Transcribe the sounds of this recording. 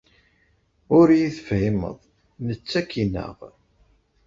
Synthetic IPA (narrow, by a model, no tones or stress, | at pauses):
ʊɾjiθfimə̰ðˤ | nət͡sːækːinə̰ʁ